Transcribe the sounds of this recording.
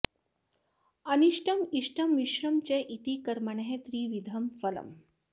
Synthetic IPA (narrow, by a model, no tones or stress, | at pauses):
ɐniʂʈʰɐmiʂʈʰɐmʋiʃɾɐmt͡ɕeʔit̪ikɐɾmɐɳeɦet̪ɾiːʋid̪ʱɐmfɐlɐ̰m